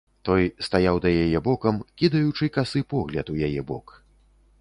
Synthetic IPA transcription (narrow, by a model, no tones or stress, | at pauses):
t̪ɔjst̪ajawd̪ɐjajɛbɔkɐmkʲid̪ɐjut͡ʂɨkasɨpɔɣlʲɐt̪ujajɛbɔk